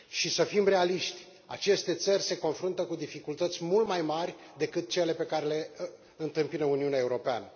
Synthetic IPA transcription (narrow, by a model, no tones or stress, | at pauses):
ʃisəfimre̞aliʃt̪ʲ | a̰t͡ʃe̞st̪e̞t̪sərʲse̞ko̞nfɾunt̪əkud̪ifikult̪ət̪sʲmult̪majmarʲ | d̪e̞kɨt̪̚t͡ʃe̞le̞pe̞kaɾe̞le̞ | ɨnt̪ɨmpinəuniuneaeuɾo̞pea̰nə